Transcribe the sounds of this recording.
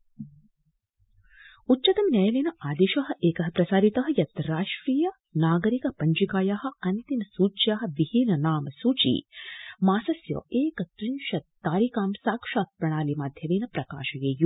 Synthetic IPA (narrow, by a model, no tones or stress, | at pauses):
utːt͡ʃːɐt̪ɐmnjɐjɐlinɐʔaːd̪eːʃɐɦɐ̆ʔeːkɐɦɐpɾɐsaːɾit̪ɐɦɐ̆jɐt̪ɐɾaːʂʈɾiːjɐ | naːɡɐɾikɐpɐɲd͡ʒikaːjaɦɐ̆ɐnt̪inɐsuːt͡ʃjaːɦɐ̆ʋihinɐnaːmɐsuːt͡ʃḭmaːsɐsjo̰ːeːkɐt̪ɾinʃɐt̪ːaːɾikaːmsaːkʂaːt̪̚pɾɐɳ̃aːlimaːd̪ʱjɐʋiːnɐpɾɐka̰ːʃɐjeːju